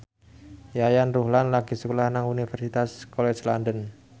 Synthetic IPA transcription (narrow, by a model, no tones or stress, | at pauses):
jajanruhlanlaɡ̥i̤səkulahnaŋunifɛrsit̪askolɛslandən